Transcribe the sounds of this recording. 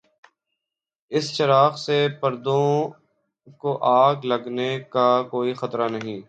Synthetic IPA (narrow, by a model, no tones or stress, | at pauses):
ɪst͡ʃɐɾaːxsepɐɾd̪õ | koʔaːɡlɐɡnekakoːixɐt̪ɾanɐɦĩː